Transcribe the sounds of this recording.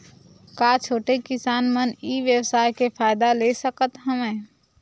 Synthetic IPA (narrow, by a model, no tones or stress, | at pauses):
kaːt͡ʃʰoːʈekɪsaːnməniːʋjəwsaːjkepʰaːjd̪alesəkət̪ɦəmẽː